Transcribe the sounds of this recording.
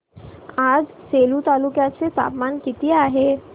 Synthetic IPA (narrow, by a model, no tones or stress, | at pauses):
aːd͡ʒ | seːlut̪aːlukjaːt̪set̪a̰ːpmaːnkit̪iaːɦeː